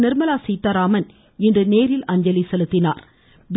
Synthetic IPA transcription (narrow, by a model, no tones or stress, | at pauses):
nɪɾmɐlaːsiːt̪ːaːɾaːmɐn | ɪndrɯneːɾɪlɐɲd͡ʒɐlisɛlɯt̪ːɪna̰ːɾ | b